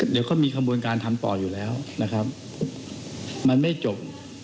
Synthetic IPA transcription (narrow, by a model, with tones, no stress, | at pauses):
di˨˦wkʰɔ˥˩jmiː˧kʰa˧buː˧ənkaː˧nt̪ʰa˧mt̪ɔ̰ː˨˩juː˨˩lɛː˦˥wna˦˥kʰa˦˥p̚ | ma˧nma˥˩jt͡ɕo˨˩p̚